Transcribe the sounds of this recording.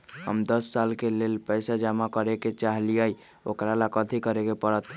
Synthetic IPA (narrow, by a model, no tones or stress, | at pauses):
ɦə̰md̪əsːalkelelpəjsad͡ʒamakəɾeket͡ʃaɦlijəj | o̰kɾalakət̪ʰikəɾekepəɾət̪